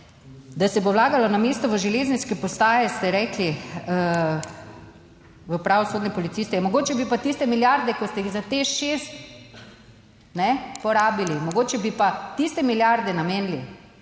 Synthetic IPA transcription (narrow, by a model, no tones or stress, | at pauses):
d̪asɛbowlaːɡalɔnameːst̪ɔʋəʒɛleːzniskɛpɔst̪aːjɛst̪ɛɾɛːkli | ʋəpɾaʋɔsoːd̪nɛpɔlit̪siːst̪ɛjmɔɡoːt͡ʃɛbipat̪ist̪ɛmiljaɾd̪ɛkɔst̪ɛjiɣzat̪eʃest̪ | nɛpɔɾaːbilimɔɡoːt͡ʃɛbipat̪ist̪ɛmiljaɾd̪ɛnameːnli